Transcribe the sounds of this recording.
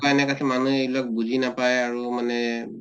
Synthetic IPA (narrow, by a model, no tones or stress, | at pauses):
aɛnɛkasɛmanuelak̚buzinapajaɹumanɛ